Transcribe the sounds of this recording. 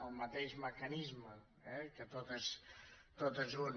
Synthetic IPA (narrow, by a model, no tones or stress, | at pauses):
əlˠmət̪eʒməkɐnizmə | ɛkət̪ot̪əst̪ot̪əzun